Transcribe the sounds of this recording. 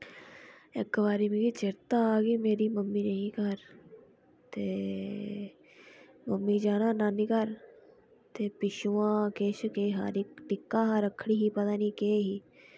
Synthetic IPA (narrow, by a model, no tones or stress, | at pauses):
ɪkʋaːɾiːmiɡiːt͡ʃɪɾt̪aːɡiːmeːɾiːməmːiːnəɦĩːkəɾ | t̪eː | məmːiːd͡ʒaːnãːnãːnikəɾ | t̪eːpɪʃuːãːkeːʃkeːɦa̰ːɾɪkʈɪkːaːɦaːɾəkʰːɽiːɦiːpət̪aːniːkeːɦiː